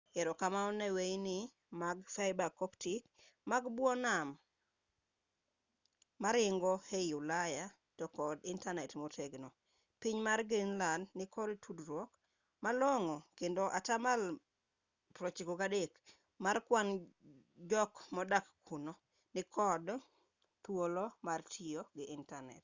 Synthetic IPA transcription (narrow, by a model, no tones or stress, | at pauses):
ɛɾɔkamaɔnewejnɪ | maɡfajbakɔptik | maɡbwɔnam | maɾɪŋɡɔhejulaja | tɔkɔdɪntanɛtmotʰeɡnɔ | piɲmarɡenlanːɪkʰɔdtʰudɾwɔk | malɔŋɔkendoʔatamal | pɾɔt͡ʃikokadek | markwan | d͡ʒɔkmɔdakkʰuno | nɪkʰɔd | t̪wolɔmartʰɪjoɡɪɪntanɛ̰t